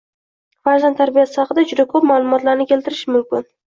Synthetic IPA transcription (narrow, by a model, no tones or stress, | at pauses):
faɾzant̪ːʰaɾbijasɪ̥ɑχɨd̪ad͡ʒʊd̪akʰɵpmalˠʊmɒt̪laɾnɪkʲʰe̞lt̪ɪɾɪʃɪmʊmkʲɪn